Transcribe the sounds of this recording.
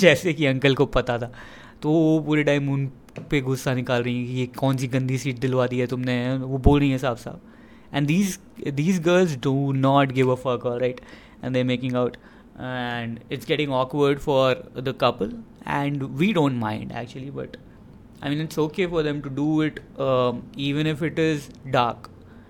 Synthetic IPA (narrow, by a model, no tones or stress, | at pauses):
d͡ʒɛːsekiɐ̃ŋkəlkopɐt̪at̪ʰaː | t̪oopuːɾeɖãːɪmũːn | peɡʊsːanɪkaːlɾɐɦĩɛ̃kijekɔ̃ːnsiɡɐ̃nd̪ʱisiːʈ̚d̪ɪlʋaːd̪iɦɛt̪ʊmneʋoboːlɾɐɦĩɦɛsaːbsa̰ːb̚ | ɛ̃ɳɖd̪iːz | d̪iːzɡəːɾlzɖunɔːʈɡɪʋəfəɾkəɾaɪʈ | ɛ̰̃nd̪eːɾmeːkɪ̃ŋaʊʈ | ɛɳɖɪʈsɡɛʈɪ̃ŋɔːkʋəɾɖfɔɾd̪əkʌpəlɛ̰̃ɳɖʋiːɖõːɳʈmãɪ̃ɳɖæ̰k̚t͡ʃuəlibɐ̰ʈ | aɪmĩːnɪʈsoːkeːfɔɾd̪ɛ̃mʈuɖuːɪʈ | iːʋə̃nɪfɪʈɪzɖaːɾk